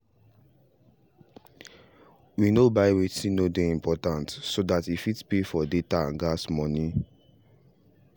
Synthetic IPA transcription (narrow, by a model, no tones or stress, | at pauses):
winobaɪwetĩnodeĩmpɔtãntsodatifidpefɔdetaãnɡasmɔ̃ni